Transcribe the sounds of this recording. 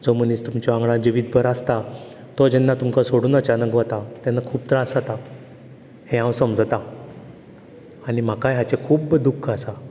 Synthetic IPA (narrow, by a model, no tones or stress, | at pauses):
d͡zomənist̪umt͡ɕɔãŋɡɭãd͡ʑiʋid̪̚bʱəɾast̪a | t̪ɔd͡ʑɛnːat̪umkasoɽuːnət͡ɕanəkʋat̪at̪janːakʰuːpt̪ɾasat̪a | hẽãwsəmd͡zt̪a | aɽim̤akajɦat͡ɕekʰuːbd̪ukʰːəsa